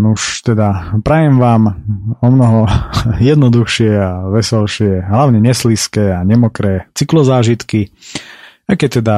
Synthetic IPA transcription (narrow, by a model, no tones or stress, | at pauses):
nuʃt̪ɛd̪apɾajɛmʋaːmɔmnɔɦɔjɛd̪nɔd̪uxʃɪɛaʋɛsɔlʃɪɛɦlaʊɲɛɲɛsliskɛːaɲɛmɔkɾɛːt͡siklɔzaːʒit̪ki | akɛt̪ɛd̪a